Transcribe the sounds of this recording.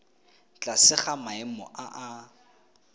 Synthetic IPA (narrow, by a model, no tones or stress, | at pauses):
t͡ɬʼasɪχamaɪmɔ̰ʔaʔa